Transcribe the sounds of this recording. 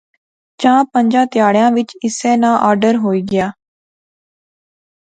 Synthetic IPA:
d͡ʒãːpəɲd͡ʒãːt̪ɪjaːɽjãːʋɪt͡ʃɪsɛ̃ːnãːʔaːɾɖəɾɦoːiːɡɪjaː

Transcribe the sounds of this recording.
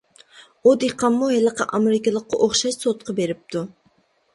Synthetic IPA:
ud̪eqɑmːuɦɛlˠəqʰɑʔɑmeɾɪkɨlˠəqːɑ̰ʔoχʃɑʃsot̪̚qʰɑbeɾɪp̚t̪ʰu

